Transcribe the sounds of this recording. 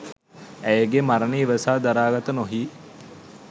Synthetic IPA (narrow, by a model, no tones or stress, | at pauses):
æjəɡemaɾəniːʋəsaːd̪aɾaːɡat̪ənoɦiː